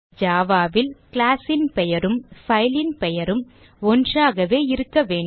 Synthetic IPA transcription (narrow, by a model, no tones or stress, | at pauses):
d͡ʒaːʋaːʋɪlklaːsɪnpɛjɐɾɯmfɐɪlɪnpɛjɐɾɯm | ɔndraːɣɐʋeːɪɾɯkːɐʋeːɳ